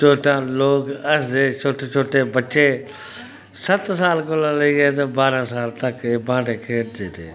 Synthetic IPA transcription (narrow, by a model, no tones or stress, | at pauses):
t͡ʃʰoːʈãːloːkəsd̪eːt͡ʃʰoːʈeːt͡ʃʰoːʈeːbət͡ʃeː | sət̪saːlkoːlãːləiːeːt̪̬oːbaːɾãːsaːlt̪əkeːbãːɖeːkʰeːʈd̪eːt̪ḛː